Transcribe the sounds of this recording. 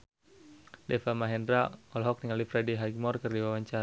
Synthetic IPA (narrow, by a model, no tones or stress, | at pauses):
dɛfamaɦɛndɾaɔlɦɔk̚niŋalifɾɛdiɦaɡmɔrkɨrdiwawaɲt͡ʃaɾa